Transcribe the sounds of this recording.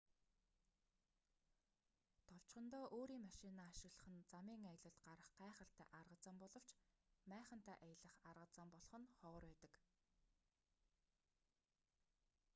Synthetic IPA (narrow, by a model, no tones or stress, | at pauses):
t̪ʰɔw̥t͡ɕχɞ̆nt̪oːʔoːɾiːŋmaʃinaːʃɪ̆ɣɮə̆χə̆nt͡samiːŋajə̆ɮə̆ɬt̪ɢaɾə̆χɢæːχə̆ɬt̪æ̰ːʔarʁə̆t͡sə̆mpɔɮɞ̆w̥t͡ɕmæːχə̆n̥t̪æːʔajə̆ɮə̆χarʁə̆t͡sə̆mpɔɮ̆χɞ̆nχœːrwæːt̪ə̆k